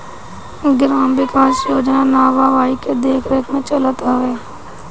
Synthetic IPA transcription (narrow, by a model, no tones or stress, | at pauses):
ɡɾaːmʋɪkaːsjoːd͡ʒnãnaːʋaːʋaːiked̪eːkʰɾəkmẽt͡ʃələt̪aʋeː